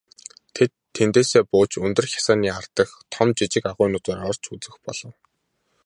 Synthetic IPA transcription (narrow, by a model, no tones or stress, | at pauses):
t̪ʰet̪ʰːent̪eːseːpʊːt͡ɕɵnt̪ɵ̆rxʲḁsaːniːar̥t̪ə̆xt̪ʰɔmt͡ɕit͡ɕɪ̆kaʁʊːnʊt̪oːɾɔr̥t͡ɕut͡sɘ̆xpɔ̰ɮ̥ɞ̆w